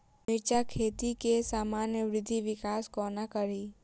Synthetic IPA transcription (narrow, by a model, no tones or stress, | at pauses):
mɪɾt͡ʃakʰeːt̪ikesaːmaːnjəʋɾɪd̪ʱːiʋɪkaːskɔːnakəɾiː